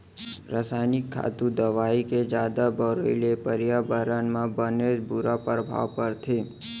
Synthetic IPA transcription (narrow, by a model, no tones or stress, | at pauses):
ɾasajnɪkʰːa̰t̪ũd̪əʋaiked͡ʒad̪abəɾoilepəɾjabəɾanmãbəned͡ʒbuɾapəɾəbʱa̰ʋpəɾt̪ʰe